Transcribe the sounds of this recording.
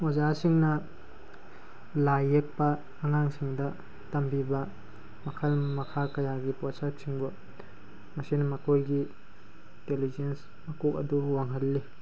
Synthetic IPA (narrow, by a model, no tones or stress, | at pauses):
ozasiŋnɐ | lajːek̚pɐː | ŋaŋsiŋdɐ | tɐmbibɐ | mɐkʰɐlmɐkʰakɐjaɡipɔsak̚siŋbɔ | mɐsinɐmɐkojɡi | itelizens | mɐkok̚ɐ̰duwaŋɦɐlːi